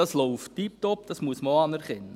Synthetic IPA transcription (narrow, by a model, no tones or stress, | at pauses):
ɑslɔwftːip̚tɔp̚dɑsmuəsməɑnæɾχɛnːə